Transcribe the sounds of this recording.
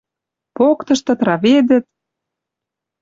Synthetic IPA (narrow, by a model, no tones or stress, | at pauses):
pokt̪ɤ̆ʃt̪ɤ̆t̪rɑβed̪ə̆t̪̚